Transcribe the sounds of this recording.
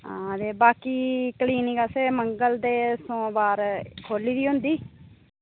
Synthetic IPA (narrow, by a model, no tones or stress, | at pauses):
ãːt̪eːbaːkiːkəliːnikaːseːməŋɡəld̪eːsõːbaːɾkʰoːliːd̪iːɦʊ̃nd̪iː